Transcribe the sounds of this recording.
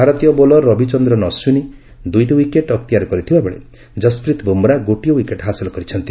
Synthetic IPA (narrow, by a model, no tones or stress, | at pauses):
bʱaɾɔt̪ijɔbolɔɾɔbit͡ʃɔnd̪ɾɔnɔswuni | d̪ujtiwikeʈɔkt̪ijaɾɔkɔɾit̪ʰibabeɭḛ | d͡ʒɔspɾit̪bombɔɾaɡoʈijɔwikeʈɦasilɔkɔɾit͡ʃʰɔnt̪i